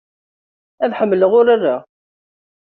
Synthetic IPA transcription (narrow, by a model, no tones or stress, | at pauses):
æðħəmːələʁʊɾarːa